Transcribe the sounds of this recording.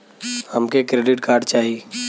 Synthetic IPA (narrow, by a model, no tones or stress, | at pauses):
həmkekɾeːɖɪʈkaːɾɖ̚t͡ʃaːɦie